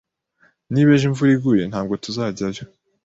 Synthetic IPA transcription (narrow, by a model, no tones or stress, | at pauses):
niβeʒiɱvuɾiɡuje̞n̥haːbɡo̞tuzaːɟaɾjo